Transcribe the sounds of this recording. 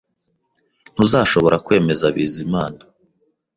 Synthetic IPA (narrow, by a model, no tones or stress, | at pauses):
n̥huzaːʃo̞βo̞ɾakwe̞ːme̞zaβiːzimaːna